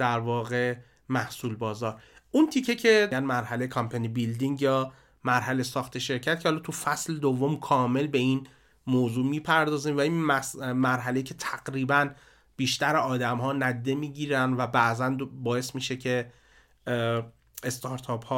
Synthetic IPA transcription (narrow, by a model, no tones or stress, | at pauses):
d̪̥æɾvɒːɣe̞ | mæhsuːlbɒːzɒːɾʔunt̪ʰicʰːecʰe̞ænmæɾhælejekʰɒmpʰænibild̪iŋɡjɒː | mæɾɦælesɒːxt̪ʰeʃe̞ɾcʰæt̪̚cʰehɒlɒːt̪ʰufæsled̪ovːomkʰɒːme̞lbe̞in | moːzuːmiːpʰæɾd̪ɒːziːmvæinmæmæɾɦæle̞jiːcʰe̞t̪ʰæɡ̥ɾiːbæn | b̥iːʃt̪æɾeɒːd̪æmɦɒːnæd̪d̪ːemiːɟiːɾænvæbæʔzændbɒːe̞smiːʃecʰe̞ | est̪ʰɒɾt̪ʰɒphɒ